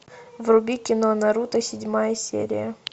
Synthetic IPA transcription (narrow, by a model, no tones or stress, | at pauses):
vrʊbʲikʲɪnonɐɾut̪əsʲɪdʲmajəsʲḛɾʲɪ̰jə